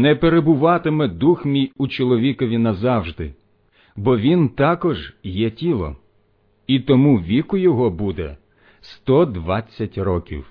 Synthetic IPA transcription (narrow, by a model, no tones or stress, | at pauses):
nɛpeɾebʊʋɑt̪ɪmɛd̪uxmʲijʊt͡ʃɔlˠɔʋʲikɔʋʲinɐzɑwʒd̪ɪ | bɔʋʲint̪ɑkɔʒjɛtʲilˠɔ̰ | it̪ɔmuʋʲikʊjɔɦɔbud̪ɛ̰ | st̪ɔd̪ʋɑt͡sʲːɐtʲrɔkʲḭw